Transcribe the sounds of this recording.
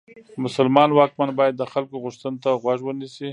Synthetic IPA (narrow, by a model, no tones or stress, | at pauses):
mʊsəlmɑnwɑkmanbɑjad̪ːəxalkoɣʊʂt̪ənt̪aɣwaʐwənisi